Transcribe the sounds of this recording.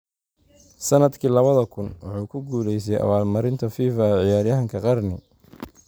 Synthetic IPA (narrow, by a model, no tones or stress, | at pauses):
sɐnɐd̪kʰiːlɐβɐðɐkʰʊnwɑ̰ħuːkʰʊɡuːlɛjs̬ɛjʔɐ̰waːlmɐɾɪnt̪ʰɐfiːfɐʕɪjaːɾjɐɦɐŋkʰɐqɑrnɪ